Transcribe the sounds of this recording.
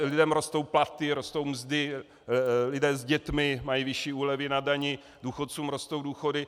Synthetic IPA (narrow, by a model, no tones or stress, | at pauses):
lɪdɛmɾo̞st̪o̞wplat̪ɪɾo̞st̪o̞wmzdɪ | lɪdɛːzɟɛt̪mɪmajivɪʃiːuːlɛvɪnadaɲɪ | duːxot̪̚t͡suːmɾo̞st̪o̞wduːxo̞dɪ